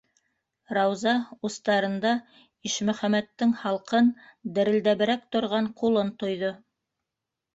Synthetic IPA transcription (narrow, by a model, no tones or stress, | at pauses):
ɾɑwzɑust̪ɑɾɤ̆nd̪ɑ | iʃmɵ̆χæmæt̪ːɘŋhɑlˠqɤnd̪ɘ̆ɾɘ̆ld̪æβɘ̆ɾæk̚t̪ŏɾʁɑɴqulˠɤnt̪ŏjðo